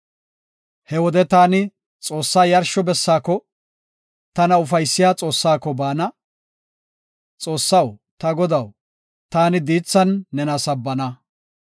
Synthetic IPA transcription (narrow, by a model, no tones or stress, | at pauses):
hɛwɔd̪ɛt̪aːnɪ | t͡sʼo̞ːsːaːjɐɾʃɔbɛsːaːkɔ | t̪ɐnɐʊfɐjsːɪjaːt͡sʼo̞ːsːaːkːɔbaːnɐ | t͡sʼo̞ːsːɐwt̪ɐɡɔd̪ɐw | t̪aːnɪd̪iːt͡sːɐnːɛnɐsɐbːɐnɐ